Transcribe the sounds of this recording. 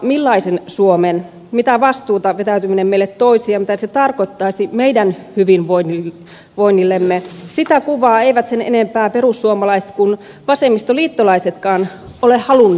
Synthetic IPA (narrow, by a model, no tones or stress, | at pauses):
milːɑisensuomen | mit̪æʋɑst̪uːt̪ɑʋet̪æyt̪yminemmeilːet̪t̪oisiɑmit̪æset̪ɑrkot̪ːɑisimeidænhyʋinʋoini | ʋoinːilːemːesit̪ækuʋɑːeiʋæt̪senḛnempæːperusːuomɑlɑise̥t̪kun | ʋɑsemːist̪oliːt̪ːolɑiset̪kɑːn | olehɑlunː